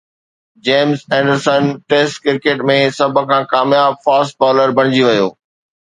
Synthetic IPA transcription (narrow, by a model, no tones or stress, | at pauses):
d͡ʑeːmzɛ̃ːɳɖəɾsənʈeːsʈkɪɾkeːʈmẽsɐbʱəkʰãːkaːmjaːbfaːsʈ̚paːləɾbʱɐ̃ɽ̃ɪd͡ʑiʋɐjo̰ː